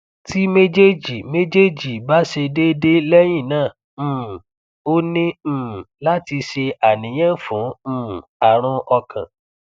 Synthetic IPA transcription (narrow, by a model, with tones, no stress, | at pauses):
ti˦me˦d͡ʒe˦d͡ʒi˨me˦d͡ʒe˦d͡ʒi˨ba˦ʃe˧de˦de˦lɛ˦j̃ĩ˦˨nãː˦˨ | o˦nĩ˦˨la˦ti˧ʃe˧a˨nĩ˨˦j̃ɛ̃˦˨fũː˨˦˨a˨ɾ̃ũ˧ʔɔ˧kã̰˨